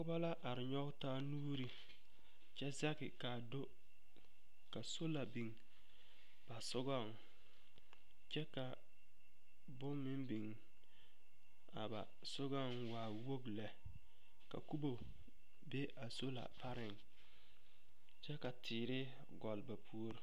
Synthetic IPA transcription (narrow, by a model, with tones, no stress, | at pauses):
kʊ˦ba˦la˦ʔa˨ɾɪ˨ɲɔ˦ɡtaː˦nuː˦ɾi˦ | t͡ʃɛ˦za˦kɪ˨ka˨do˦ | ka˨so˦la˨bi˨ŋ | b̥a˨sʊ˦ɡɔ˦˨ŋ | t͡ʃɛ˦ka˨ | bʊ˦mmɪ˦mbi˨ŋ | a̰˨ba̰˨ | sʊ˦ɡɔ˦ŋwaː˨wo˦ɡlɛ˨ | ka̰˨ku˦bo˨ | be˦ʔa˨so˦la̰˨pa˦ɾɪ˨ŋ | t͡ʃɛ˦ka˨tʰɪː˨ɾɪ˦ | ɡɔ˨lba˨pʰu˦o˦ɾ